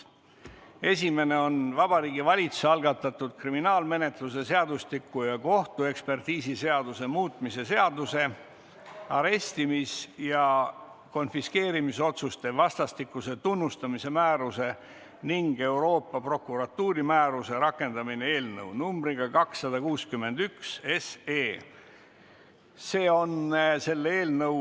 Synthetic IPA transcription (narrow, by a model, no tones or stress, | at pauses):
e̞sʲime̞ne̞o̞nvɑb̥ɑɾiːɡivɑlʲit̪sseɑlɡ̥ɑt̪ːˑɑt̪ːud̪̥̚kriminɑːlme̞ne̞t̪luse̞se̞ɑd̪ust̪ikːujɑko̞ht̪ue̞kspe̞rt̪iːsise̞ɑd̪̥use̞muːt̪ˑmise̞se̞ɑd̪use̞ | ɑɾe̞st̪imisjɑ | ko̞nfiske̞ːɾimiso̞t̪sust̪e̞vɑst̪ɑst̪ikːˑuse̞t̪unːust̪ɑmise̞mæːɾuse̞ | niŋɡ̥e̞wɾo̞ːpˑːɑpro̞kːˑuɾɑt̪ːuːɾimæːɾuse̞ɾɑkːˑe̞nd̪̥ɑmine̞e̞ːlnɤwnumbɾiɡ̥ɑkɑksːɑd̪̥ɑkuːskymːe̞nd̪̥ykseseː | se̞ːo̞nse̞lːee̞ːlnɤ